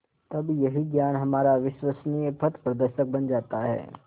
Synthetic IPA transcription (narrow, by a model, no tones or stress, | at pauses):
t̪ɐbjɐɦiɡjaːnɦɐmaːɾaʋɪʃwəsnijəpʰɐt̪pɾɐd̪əɾʃək̚bɐnd͡ʒaːt̪aɦɛ̰ː